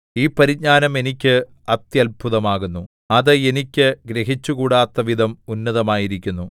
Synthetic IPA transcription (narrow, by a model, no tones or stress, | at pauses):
iːpɐɾiɲaːnɐme̞nikʲːɨ | ɐt̪jɐlbʱuðɐmaːɣunːu | ɐðɨenikʲːɨɡɾeɦit͡ɕːuɣuːɽaːt̪ːɐʋid̪ʱɐmunːɐðɐmaːjiɾikʲːunːu